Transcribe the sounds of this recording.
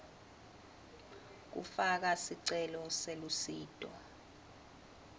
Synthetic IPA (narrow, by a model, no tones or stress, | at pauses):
k̬ṵfak̬asiǀɛlɔselusiːdʼɔ